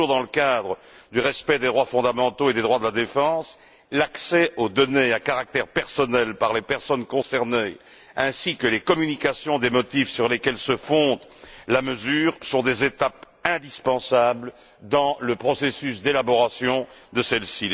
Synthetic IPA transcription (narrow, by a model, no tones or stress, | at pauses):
uʁd̪ɑ̃ləkad̪ʁə | d̪yʁɛspɛd̪ed̪ʁwafɔ̃d̪amɑ̃t̪oed̪ed̪ʁwad̪əlad̪efɑ̃s | laksɛod̪ɔneakaʁak̚t̪ɛʁpɛʁsɔnɛlpaʁlepɛʁsɔnkɔ̃sɛʁne | ɛ̃sikəlekɔmynikasjɔ̃d̪emɔt̪ifsyʁlekɛlsəfɔ̃d̪laməzyːʁsɔ̃d̪ezet̪ap | ɛ̃d̪ispɑ̃sabl | d̪ɑ̃ləpχɔsesysd̪elabɔʁasjɔ̃d̪əsɛlsi